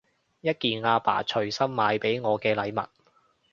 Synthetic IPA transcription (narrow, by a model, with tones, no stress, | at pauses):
jɐ˥t̚kiː˨nŋaː˧pa̰ː˨˩t͡ʃʰɵ˨˩ɥsɐ˥mːaː˨˧jpe˨˥jŋɔː˨˧kɛː˧lɐ˨˧jmɐ̰˨t̚